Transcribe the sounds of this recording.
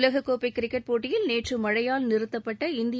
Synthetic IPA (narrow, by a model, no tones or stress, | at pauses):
lɐɣɐkːoːpɐɪkːɪɾɪkːɐʈ̚poːʈːɪjɪlneːʈrɯmɐɻɐjaːlnɪɾɯt̪ːɐpːɐʈːɐɪnd̪ɪ